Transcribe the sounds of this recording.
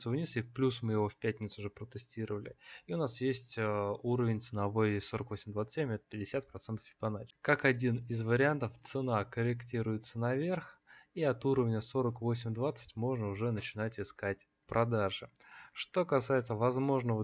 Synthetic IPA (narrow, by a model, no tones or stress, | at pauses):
t̪sʊvnʲisʲlʲɪfplʲusmɨjɪvo̞fʲpʲætʲnʲɪt̪sʊʐɨpɾət̪ɨsʲtʲiɾəvəlʲɪiʊnasjesʲtʲəuɾəvʲɪnʲt̪sɨnɐvo̞jso̞ɾəkvo̞sʲɪmʲd̪vat̪sə̥ɨt̪ʲsemʲɛt̪ə̥pʲɪdʲɪsʲat̪̚pɾɐt̪sɛnt̪ə̥fʲɪ̥pɐnat͡ɕkakɐdʲinɪzvəɾʲɪant̪əft̪sɨnakəɾʲɪktʲiɾʊjɪt̪sənɐvʲe̞rxiɐt̪uɾəvnʲəso̞ɾəkvo̞sʲɪmʲd̪vat̪sə̥tʲmo̞ʐnəʊʐɛnət͡ɕɪnatʲɪskatʲ | pɾʔɐd̪aʐɨ | ʂt̪o̞kɐsajɪt̪səvɐzmo̞ʐnəvə